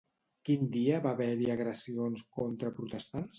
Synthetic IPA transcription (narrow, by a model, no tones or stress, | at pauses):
kind̪iəβaβɛɾiəɣɾəsionskont̪ɾəpɾut̪əst̪ans